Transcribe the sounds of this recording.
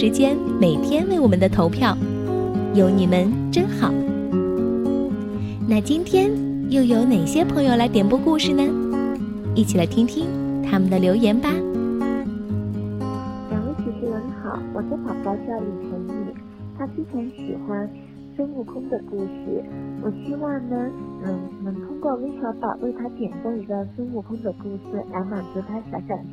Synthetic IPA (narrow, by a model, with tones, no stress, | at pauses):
ɻ̩˧˥t͡ɕjɛ˥n | me˨˩ɪt̪ʰjɛ˥nwe˥˩ɪwɔ˨˩mə˦nd̪ə˧t̪ʰo˧˥ʊpʰjɑ˥˩ʊ | jo˧˥ʊni˨˩mə˧˦nʈ͡ʂə˥nxɑ˨˩˦ʊ | na˥˩t͡ɕi˥nt̪ʰjɛ˥n | jo˥˩ʊjo˧˥ʊne˨˩ɪɕjɛ˥pʰɤ˧˥ŋjo˥˧ʊla˧˥t̪jɛ˨˩npu˥˧ku˥˧ʂɻ̩˨˩nə˩ | i˥˩t͡ɕʰi˨˩la˧˥ɪt̪ʰi˥ŋt̪ʰi˥ŋt̪ʰa˥mə˨nd̪ə˩ljo˧˥ʊjɛ˧˥nba˧ | la˨˩we˥t͡ɕʰy˧˩ʂɻ̩˥xə˧˥nxɑ̰˨˩˦ʊwɔ̰˨˩t͡sa˥pɑ˨˩ʊpɑ˥˧t͡ɕjɑ˥˩ʊli˨˩ʂʰə˧˥ŋi˥˩ | t̪ʰa˥fʰi˥ʈ͡ʂʰɑ˧˥ŋɕḭ˨˩xwa˥n | ʂə˥nu˥˩kʰʊ˥ŋd̪ə˨ku˥˧ʂɻ̩˥˩wʔɔ˨˩ɕi˥wɑ˥˩ŋnə˩n̩˥˩nɤ˧˥ŋt̪ʰʊ˥ŋkwɔ˥˧we˥ɪt͡ɕʰwa˧˥pɑ̰˨˩wʔe˥˩ɪt̪ʰa˥t̪jɛ˨˩nxwɔ˥˧i˧˥ɡ̪ɑ˥˧˩ʂə˥nu˥˩kʰʊ˥ŋd̪ə˨ku˥˩ʂɹ̩˥˩la˧˥ɪma˨˩t͡su˧˥t̪ʰa˥ɕjɑ˧˥ʊɕja˥˩d̪